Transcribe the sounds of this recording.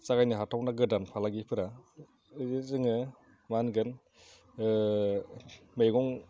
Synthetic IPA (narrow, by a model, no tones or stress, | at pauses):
t͡ʃaɡajnɯɦatʰawnaɡɯdanpʰalaɡipʰɯɾa | zizɯŋɯ | manɡɯn | mejɡɔŋ